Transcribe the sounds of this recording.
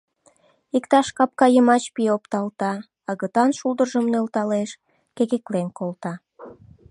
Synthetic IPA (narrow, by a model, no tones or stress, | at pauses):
ikt̪ɑʃkɑp̚kɑjəmɑt͡ɕpiopt̪ɑlt̪ɑ | ɑɣət̪ɑnʃuld̪ərʒəmnølt̪ɑleʃ | keɣeklemkolt̪ɑ